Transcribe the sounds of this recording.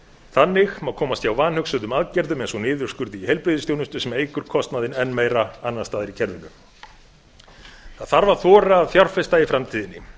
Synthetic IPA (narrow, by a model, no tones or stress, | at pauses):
θanːɪxmawkʰɔːmast̪jawvaːnhʏksʏnðʏmaðcɛɾðʏmejnsɔnɪːðʏr̥skʏɾðihejlpɾɪðɪst̪jownʏnst̪ʏsɛmejkʏɾ̥kʰɔst̪naðɪnɛnːmeːjɾaanːast̪aːðɪɾicʰɛɾvɪŋkʏm | θaðθaɾvaθɔːɾaːðfjawr̥fɪst̪aifɾamt̪ʰiːðɪnːɪ̰